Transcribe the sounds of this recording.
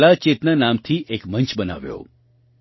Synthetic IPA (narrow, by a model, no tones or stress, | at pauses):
lat͡ʃet̪nənamt̪ʰiʔekmənt͡ʃbəna̰ʋjo̰